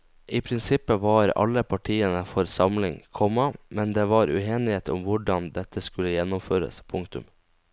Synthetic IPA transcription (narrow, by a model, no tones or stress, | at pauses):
iːpʰɾɪnsɪpːəʋɑːɾɑ̰lːəpʰɑʈʰiːənəfɔɾsɑmlɪŋkʰɔmːəmɛnd̪eːʋɑːɾʉ̰eːnɪheːt̪ʰʊ̰mʋʊɖɑnd̪ɛt̪ʰəskʉlːəjɛnːʊmføːɾə̰spʰʊŋkt̪ʉ̰m